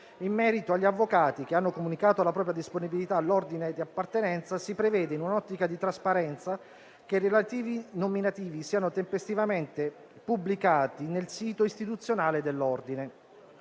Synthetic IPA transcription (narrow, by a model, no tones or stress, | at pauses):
imːɛːɾit̪oaʎːavːokaːt̪ik̟eanːokomunikaːt̪olapɾɔːpɾjad̪isponibilit̪alord̪ined̪iapːart̪enɛnt̪sasipɾevɛːd̪einunɔt̪ːikad̪it̪ɾaspaɾɛnt̪sa | k̟erːelat̪iːvinominat̪iːvisiːanot̪empest̪ivament̪e | publikaːt̪inelsiːt̪oist̪it̪ut̪sːjonaːled̪elːɔrd̪ine